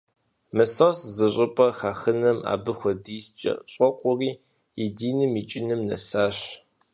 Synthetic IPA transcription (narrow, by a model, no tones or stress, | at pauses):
mɨsoszɨɕʷʼɪpʼɐxaːxɨnɐma̰ːbɨxʷɔdiːst͡ʃʼɐ̰ɕʼɔqʷʼʊriː | idiːnɨmit͡ʃʼɪnɨmnɐ̰saːɕ